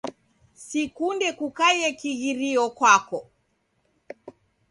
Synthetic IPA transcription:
sikundɛkukajɛkiɣiɾiɔkwakɔ

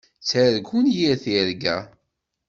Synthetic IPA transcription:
t͡sːəɾɡunjiɾθiɾɡæ̰

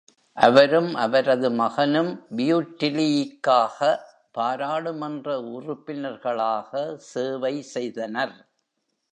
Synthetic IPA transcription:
ʔɐʋɐɾɯmʔɐʋɐɾɐðɯmɐɣɐnɯmbɪjuːʈːɪlɪjɪkːaːɣɐ | paːɾaːɽɯmɐndrɐʊrʊpːɪnɐɾɣɐɭaːɣɐseːʋɐɪsɛjðɐnɐɾ

